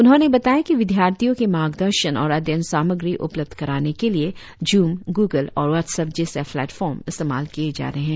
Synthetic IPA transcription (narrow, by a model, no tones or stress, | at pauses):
ʊnɦõnebɐt̪aːjakiʋɪd̪ʱjaːɾt̪ʰijõkemaːɡd̪əɾʃənɔːɾɐd̪jənsaːməɡɾiʔʊpləb̚d̪ʱkɐɾaːnekelie | d͡ʒuːmɡuːɡəlɔːɾʋɔt̪sɐb̚d͡ʒesefʰlɛːʈfɔːɾmɪst̪eːma̰ːlkied͡ʒa̰ːɾɦeɦɛ̃ː